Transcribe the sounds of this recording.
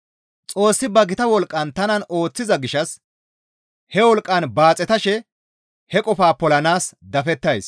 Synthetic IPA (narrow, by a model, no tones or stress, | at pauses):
t͡sʼo̞ːsːɪbɐɡɪt̪ɐwɔlkʼːɐnt̪ɐnɐno̞ːt͡sːɪzɐɡɪʃɐs | hɛwɔlkʼːɐnbaːt͡sʼɛt̪ɐʃɛ | hɛkʼɔfaːpɔlɐnaːsd̪ɐfɛt̪ːɐjs